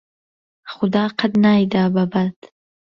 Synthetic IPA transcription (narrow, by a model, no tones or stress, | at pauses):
xʊd̪ɑːqad̪najd̪ababat̪